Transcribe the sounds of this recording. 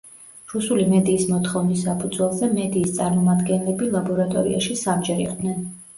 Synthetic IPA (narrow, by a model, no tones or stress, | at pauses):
ɾusulimɛd̪iːsmɔt̪ʰχɔvnisːapʰud̪zwɛlˠzɛmɛd̪iːst̪sʼaɾmɔmad̪ɡɛnlɛbilˠabɔɾat̪ʼɔ̰ɾḭa̰ʃisamd͡ʒɛɾḭqʼd̪nɛn